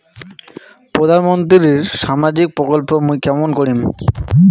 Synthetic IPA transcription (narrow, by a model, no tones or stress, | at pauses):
pɾod̪ʱanmont̪ɾɾiɾʃamad͡ʑik̚pɾokolpomujkɛmonkoɾim